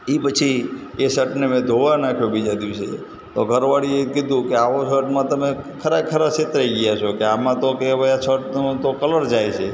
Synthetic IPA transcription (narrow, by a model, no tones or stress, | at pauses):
ipət͡ʃʰiesəʈnemɛ̃d̪ʱoʋanakʰjubid͡ʒad̪iʋsḛ | t̪oɡʱəɾʋaɽiekɪd̪ʱũkeaʋosəʈmãt̪əmekʰəɾakʰəɾaset̪ɾəiɡijat͡ʃʰokeamãt̪okeʋəjasəʈnũt̪okələɾd͡ʒajt͡ʃʰe